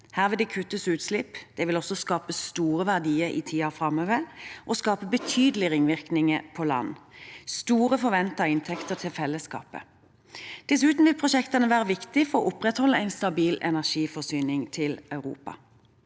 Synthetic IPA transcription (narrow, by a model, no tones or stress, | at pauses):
hæːʁʋɛd̪ɛkʰʉt̪ːəsʉːt̪slɪpd̪̥ɛʋɪlɔsɔskɑːpəst̪uːʁəʋæʁd̪iːəɾʔḭːt̪ʰiːɑfɾɑmøːʋəʁʔɔskɑːpəbət̪ʰyːd̪l̩ɪʁɪŋʋɪʁknɪŋəpʰɔlɑ̰nːst̪uːʁəfɔɾʋɛnt̪ɑɪnt̪ʰɛkt̪ət̪ʰɪlfɛlːəskɑ̰ːpə̰ | d̪̥ɛsʉːt̪n̩ʋɪlpʰʁʊʃɛkt̪ɑnəʋæːʁəʋɪkt̪ɪfɔʁɔʔʊpʁɛt̪hɔlːəæɪnst̪ɑbiːlɛnæʁʃiːfɔsyːnɪŋt̪ʰɪlœʉʁṵːpɑ̰